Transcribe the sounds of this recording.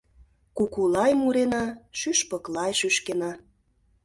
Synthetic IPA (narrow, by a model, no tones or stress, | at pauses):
kukulɑjmuɾenɑʃyʃpɤklɑjʃyʃkenɑ